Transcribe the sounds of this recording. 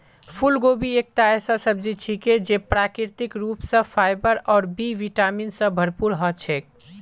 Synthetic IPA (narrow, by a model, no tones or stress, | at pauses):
pʰulɡobiek̚t̪aɛsasəb̚d͡ʒit͡ʃʰiked͡ʒepɾakɾiɾt̪ikɾupsə̃fʰajbəɾɔːɾbiʋiʈaminsə̃bʱəɾpuɾɦɔt͡ʃʰɛk